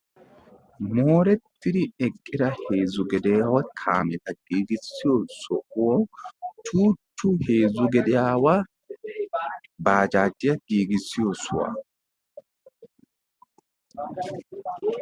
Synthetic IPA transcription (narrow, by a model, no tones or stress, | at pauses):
mo̞ːɾɛt̪ːɪd̪ɪɛkʼːɪd̪ɐhe̞ːzʊɡɛd̪ɛjaːwɐkʰa̰ːmɛt̪ɐɡ̥iːɡɪsːɪjosɔʔwot͡ʃuːtːʊhe̞ːzʊɡɛd̪ɛjaːwɐ | baːd͡ʒaːd͡ʒːɪjɐɡiːɡɪsːɪjosʊwa̰